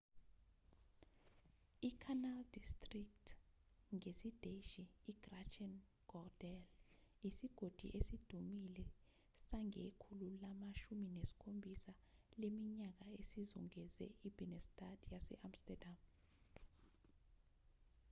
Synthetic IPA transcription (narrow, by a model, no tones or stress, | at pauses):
ikʰanaldistʼriktʰŋesid̥eʃiːɡ̥rat͡ʃɛn | ɡ̥ɔd̥ɛlisiɡ̥ʱod̥ʱḭʔesid̥ʱumilɛ | saŋekʰululamaʃuminesi̥kʰombʱisalemiɲak̬aesizṵŋɛzɛ̰ib̥ʱinɛstʰʼadʰjasɛ̰ʔamstɛdam